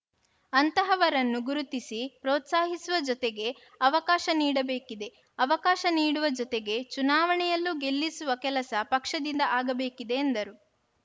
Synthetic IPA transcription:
ɐnt̪ɐɦɐʋɐɾɐnːuɡuɾut̪isipɾoːt̪saːɦisuʋɐd͡ʒɔt̪eɡe̞ | ɐʋɐkaːʃɐniːɽɐbe̞ːkid̪e̞ | ɐʋɐkaːʃɐniːɽuʋɐd͡ʒɔt̪eɡe̞t͡ʃunaːʋɐɳɛjɐlːuɡe̞lːisuʋɐkɛlɐsɐpɐkʂɐd̪ind̪ɐʔaːɡɐbe̞ːkid̪e̞ːnd̪ɐɾu

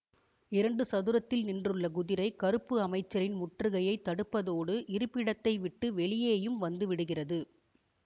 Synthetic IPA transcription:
ɪɾɐɳɖɯsɐðɯɾɐt̪ːɪlnɪndrɯɭːɐɡʊðɪɾɐɪkɐɾɯpːɯɐmɐɪt͡ʃːɐɾɪnmʊʈrɯɣɐjɐɪt̪ːɐɽɯpːɐðoːɽɯʔɪɾɯpːɪɽɐt̪ːɐɪʋɪʈːɯʋɛɭɪjeːjɯmʋɐnd̪ɯʋɪɽɯɣɪrɐðɯ

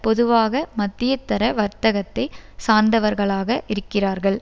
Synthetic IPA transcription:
pɔðɯʋaːɣɐmɐt̪ːɪjɐt̪ːɐɾɐʋɐɾt̪ɐɣɐt̪ːɐɪsaːnd̪ɐʋɐɾɣɐɭaːɣɐʔɪɾɯkːɪraːɾɣɐɭ

